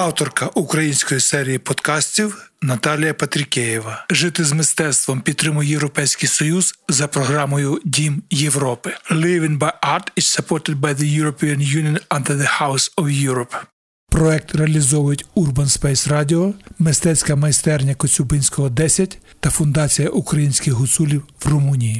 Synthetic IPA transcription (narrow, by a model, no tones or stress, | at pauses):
ɑwt̪ɔrkɐʔukɾɐjinʲsʲkɔjisɛɾʲijipɔd̪kɑsʲtʲiwnɐt̪ɑlʲijɐpɐt̪ɾʲɪkʲɛjiʋɐʒɪt̪ɪzmɪst̪ɛt̪st̪ʋɔmpʲid̪̚t̪ːɾɪmʊjjewɾɔpɛjsʲkijsɔjuz̥zɐpɾɔɦɾɑmɔjʊdʲimjewɾɔpɪlˠɪʋɪ̃ŋbɐjɑɾtɪt͡ʃsɐpʰɔtɪd̪̚bɐjðɐjuɾɔpʲiɐnjunʲijɔnɐ̃nd̪ɛðɐhawsɔwjuɾɔp | pɾɔɛk̚t̪reɐlʲizɔwʊjʊtʲurbɐnspɛjsrɑdʲiɔmɪst̪ɛt͡sʲkɐmɐjst̪ɛrnʲɐkɔsʲubɪnʲsʲkɔɦɔd̪ɛsʲɐtʲ | t̪ɐfʊnd̪ɑt͡sʲijɐʔukɾɐjinʲsʲkɪxɦʊsulʲiwwrʊmunʲiji